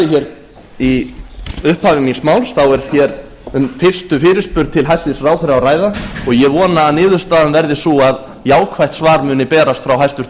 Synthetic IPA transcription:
ɪçɛɾ | i | ʏhphaːvɪminsmaːwlsθawɛɾ̥θjɛɾ | ʏnfɪr̥st̪ʏfɪːɾɪspʏɾt̪̚t̪ʰɪlɦajsɪsraːwθɪɾawraːjðaɔɣjɛvɔːnaːnɪːðʏɾ̥st̪aːðanvɛɾðɪsuað | jaːwkʰvajht̪svaːɾmʏːnɪpɛːɾast̪fɾawɦajst̪ʏɾ̥

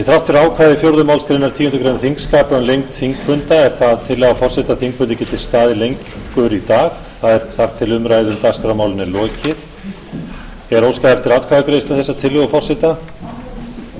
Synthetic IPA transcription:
jɛθɾaft̪fɛɾaːwkʰvaːðɪfjowɾðʏmaːwlsk̪ɾenːaɾ̥t̪ʰiːcɪnt̪ʏkɾejnaθiŋkskaːpːnlejŋkt̪θiŋkfʏnt̪aɛɾ̥θaðt̪ʰɪlːɛɣafɔr̥sɪt̪aθiŋkvʏnt̪ɛcːɪt̪ʰɪlst̪aːðɪlejŋkkʏɾit̪aːx | θaðɛɾ̥θaɾ̥t̪ʰɪlʏmɾaːjðʏmt̪aɣskɾawmaːwlɪnɛlɔːcɪɾ̥ | ɛɾowskaðɛft̪ɪɾaːt̪kʰaːðakɾejst̪aθɛsːat̪ʰɪlːʏɣafɔr̥sɪt̪a

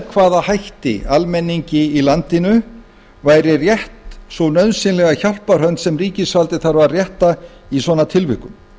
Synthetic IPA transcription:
kʰvaːðahajht̪ɪ̰almɛnːiɲcɪilant̪ɪnʏ | vaːjɾɪrjɛht̪sownœɥðsɪnlɛɣaçawl̥par̥œnt̪sɛmriːcɪsvalt̪ɪθaɾvarjɛht̪a | isvɔːnat̪ʰɪlvɪ̰hkʏm

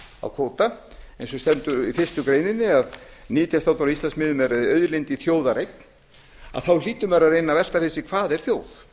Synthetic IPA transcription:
a̰wkʰoːwt̪a | ejnsɔst̪ɛnt̪ʏɾifɪr̥st̪ʏkɾeːjnɪnːɪaðniːt̪ʰijast̪aːwt̪ɔɾist̪lansmɪːðʏmɛɾaðɪœɥðlejnt̪iθjoːwðaɾejk̚n̥ | a̰ðθawliːt̪ʏmɛɾaðrejnavɛl̥t̪aθɛsːɪkʰvaːðɛɾ̥θjoːwθ

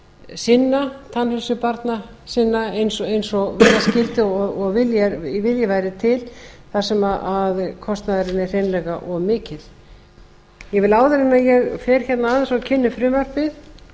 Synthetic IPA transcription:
sɪnːat̪ʰanhʏlsʏpaɾt̪na | sɪnːaejnsɔejnsɔvɛðascɪlt̪ɪɔɔɣvɪljɛvɪljavaːjɾɪt̪ʰɪlθasɛmaaðkʰɔst̪naðɪɾɪnːɪr̥ejnlɛɣaʔɔɣmɪːcɪl̥ | jɛɣvɪlaːwðɪɾɪnaðjɛɣfɛɾ̥çɛt̪naaːðansɔɣcʰɪnːʏfɾɪːmœr̥pɪð

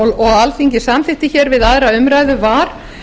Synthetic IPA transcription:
wlɔɣalθiɲcɪsamfɪht̪ɪçɛɾvɪðaðɾaʏmɾajðʏvaːɾ̥

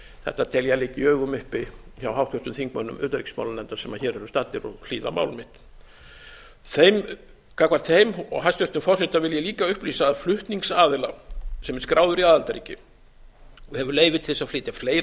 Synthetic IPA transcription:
θɛ̰ht̪ːat̪ʰɛljalɪːcɪœːɣʏmʏhpɪçawɦawht̪ʰœht̪ʏmθiŋkmœnːʏ̰mʏ̰ːt̪aɾicsma̰wlanɛnt̪ḁsɛmaçɛːɾɛɾʏst̪at̪ɪɾɔ̰fl̥iːða̰ma̰ːwlmɪht̪ | θejm | kakvaɾt̪θejmɔ̰ɣɦast̪œht̪ʏmfɔrsɪt̪avɪljɛliːkaʏhpliːsaðflʏht̪niŋksaːðɪlasɛmɛɾskɾaːwðʏɾiaːðalt̪aɾḭcɪ | ɔhɛvʏɾleːjvɪt̪ʰɪ̥lθɛsafleːt̪jafleːjɾ

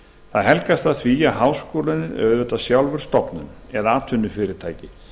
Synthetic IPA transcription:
θaðɦɛlkast̪θaðθviaɦaːwskoːwlɪnɪðœ̰ɣðʏɛt̪asjawlvʏɾ̥st̪ɔpnʏnɛðaːt̪ʰʏnːʏfɪːɾɪɾ̥t̪ʰaːjcɪ

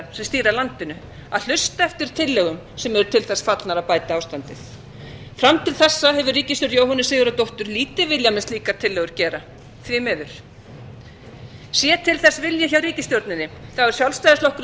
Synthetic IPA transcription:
sɛmst̪iːɾalant̪ɪnʏ | aðl̥ʏst̪aɛft̪ɪɾ̥t̪ʰɪlːœɣʏm | sɛmɛɾʏt̪ʰɪlθɛsfat̪lnaɾaðpaːjt̪aaːwst̪ant̪ɪθ | fɾamt̪ʰɪlθɛsːaɦɛvʏɾriːcɪst̪ʏɾjowhanɪsɪːɣʏɾat̪owht̪ʏɾliːt̪ɪvɪljamɛsliːkat̪ʰɪlːɛɣʏɾ̥cɛːɾa | θvɪmɛːðʏɾ̥ | sjɛːt̪ʰɪlθɛsvɪljɛçawɾiːcɪst̪jowɾt̪nɪnːɪθawɛɾ̥sjawlst̪ajðɪst̪ɔhkʏɾ

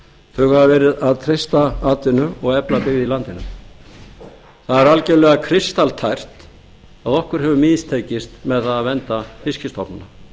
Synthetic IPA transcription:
θœɥɣhavavɛːɾɪðaðt̪ʰɾejst̪aaːt̪ɪnʏɔɣɛplapɪɣðilant̪ɪnʏ̰m | θaðɛɾalcɛɾlɛɣakʰɾɪst̪alt̪ʰajr̥t̪ | aðɔhkʏɾ̥ɦɛvʏmɪːðist̪ʰeːjcɪst̪mɛðθaðavɛnt̪afɪscɪst̪ɔpnna

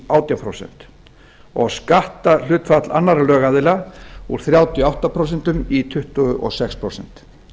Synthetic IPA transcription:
awt̪jampʰɾowsɛ̰n̥t̪ | ɔɣskaht̪al̥ʏːt̪fat̪la̰nːaɾlœːɣaðɪlauɾ̥θɾjawt̪jɔawht̪apʰɾows̬ɛn̥t̪ʏmit̪ʰʏht̪ʏɔ̰sɛkspʰɾowsɛn̥t̪

